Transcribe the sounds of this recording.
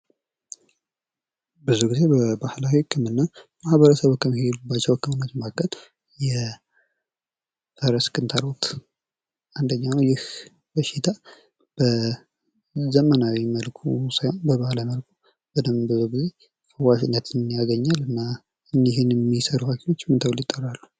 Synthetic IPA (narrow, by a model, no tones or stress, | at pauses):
bɨzuɡize̞bəbahlawikʰɨmɨnːa | mahβəɾəsəβkːəmːihelubːat͡ʃːɛwkʰːɨmɨnːat̪makːən | jɛ | fəɾəskʰʼɨnt̪ʰalot̪ | and̪əɲːanəwjɪh | b̥əʃɪt̪ʰa | b̥ə | zəmənawiməlkʰusajonbəβahlajiməlkʰu̥ | b̥əd̪əmbɨzuɡize̞ | kʰəwaʃɪnːət̪ʰɨnjaɡəɲːalɨnːa | ɨniɦɪnɛmːisəɾuhakʰeno̞t͡ʃːmɨnt̪ʰəwlɪt̪ʼːərːalːu